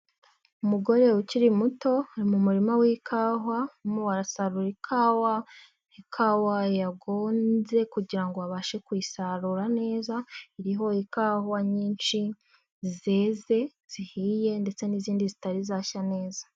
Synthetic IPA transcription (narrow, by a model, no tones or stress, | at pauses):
umuɡo̞ɾe̞uciɾimuto̞aɾimumuɾimawikʰaːɦwamuwaɾasaɾuɾikʰawa | ikʰawajaɡo̞ːnze̞kuɟiɾaŋɡo̞aβaːʃe̞kwisaɾuɾane̞ːzaiɾiɦo̞ikaːhwaɲiːnʃi | ze̞ːze̞ | z̥ihiːje̞nde̞t͡se̞niziːndizitaɾizaːʃane̞ːzḁ